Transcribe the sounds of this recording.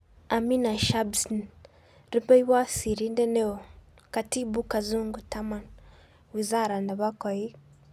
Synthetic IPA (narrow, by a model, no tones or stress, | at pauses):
aminaʃabsn | ɾipɛiwasiɾindɛnɛɔ | katibukazuŋɡutaman | wizaɾandaβakai